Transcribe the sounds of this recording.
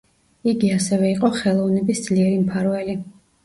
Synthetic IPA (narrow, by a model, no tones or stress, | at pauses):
iɡiasɛvɛiqʼɔχɛlˠɔvnɛbisd̪z̥liɛɾimpʰaɾvɛli